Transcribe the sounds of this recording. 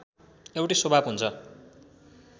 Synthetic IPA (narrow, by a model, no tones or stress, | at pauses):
ewʈisobʱabɦunt͡sʰʌ